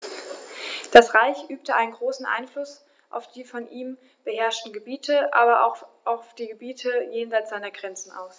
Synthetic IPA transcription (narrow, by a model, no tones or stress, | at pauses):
d̥asʁaɪçʔyːp̚təʔaɪnənɡʁoːsn̩ʔa̰ɪnflʊs | ʔa̰ʊfd̥iːfɔnʔiːm | b̥əhɛɐʃtn̩ɡəbiːtʰəʔaːbɐʔa̰ʊxʔaʊfd̥iːɡəbiːtʰəjeːnzaɪt͡sz̥aɪnɐɡʁɛnt͡sn̩ʔa̰ʊs